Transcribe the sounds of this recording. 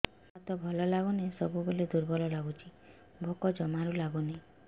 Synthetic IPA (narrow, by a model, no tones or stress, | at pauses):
sat̪ɔbʱɔlɔlaɡunesɔbuboled̪uɾbʱɔlɔlaɡut͡ʃʰi | bʱokɔd͡ʒɔmaɾulaɡune